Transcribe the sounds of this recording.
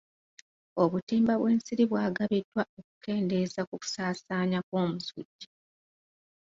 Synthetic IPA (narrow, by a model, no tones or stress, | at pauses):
o̞βutiːmbaβwe̞ːnsiɾiβwaːɡaβidːwaoku̥ke̞ːnde̞zakuku̥saːsaːɲakwo̞ːmusṵɟːi